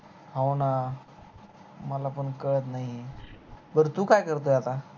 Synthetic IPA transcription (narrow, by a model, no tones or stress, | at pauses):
ɦawna | məlapəɳkəɭət̪naɦi | bəɾt̪uːkajkəɾt̪əjat̪a